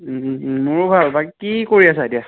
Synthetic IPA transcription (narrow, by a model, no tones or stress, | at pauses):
mʊɹʊbʱalbakikikoɹiasaetia